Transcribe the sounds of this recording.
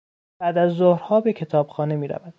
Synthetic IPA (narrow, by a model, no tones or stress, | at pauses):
b̥æːd̪æzːohɾhɒːbe̞cʰe̞t̪ʰɒːb̥xɒːne̞miːɾæ̰væd̪̥